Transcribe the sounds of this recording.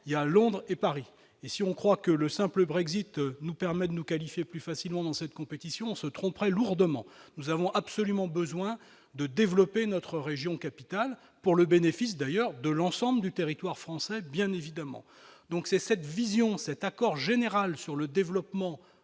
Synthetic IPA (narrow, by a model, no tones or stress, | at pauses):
ialɔ̃d̪ʁepaʁi | esiɔ̃kχwakələsɛ̃pləbʁɛɡzit̪nupɛʁmɛd̪ənukalifjeplyfasilmɑ̃d̪ɑ̃sɛt̪̚kɔ̃pet̪isjɔ̃ːsət̪χɔ̃pʁɛluʁd̪əmɑ̰̃nuzavɔ̃ʔabsɔlymɑ̃bəzwɛ̃ | d̪əd̪evlɔpenɔt̪χəʁeʒjɔ̃kapi̥t̪al | puʁləbenefis̬d̪ajœʁd̪əlɑ̃sɑ̃bləd̪yt̪eʁit̪waʁfχɑ̃sɛbjɛ̃nevid̪amɑ̰̃ | d̪ɔ̃ksɛsɛt̪vizjɔ̃sɛt̪akɔʁʒeneʁalsyʁləd̪evlɔpmɑ̃